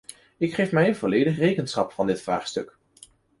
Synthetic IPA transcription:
ɪkχejfmɛjənvɔlejdəχrejkənsχɑpfɑndɪtfra̰ːχstɵk

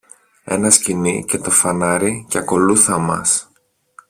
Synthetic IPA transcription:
e̞̰nɐscinice̞t̪o̞fɐnɐɾicɐko̞luθɐmɐ̰s

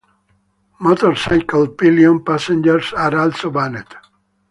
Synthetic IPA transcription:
mɔt̪ɔɾsajkəlpiliɔ̃npasẽnd͡ʒɛɾsaɾalsobanet̪

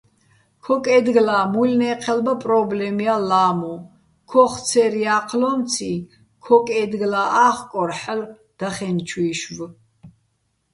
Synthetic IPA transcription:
kʰɔkʼɛd̪ɡlaːmulnɛːqʰɛlbapʼɾɔblɛmialaːmɔ | kʰɔχt͡sʰɛɾiaːqʰlɔmt͡sʰi | kʰɔkʼɛd̪ɡlaʔaːχkʼɔɾħəl | d̪̥aχɛnt͡ʃʰwiːʃv

